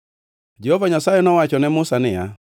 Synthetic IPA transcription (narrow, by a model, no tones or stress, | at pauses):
d͡ʒehovaɲasajɛnɔwat͡ʃɔnɛmʊsanɪja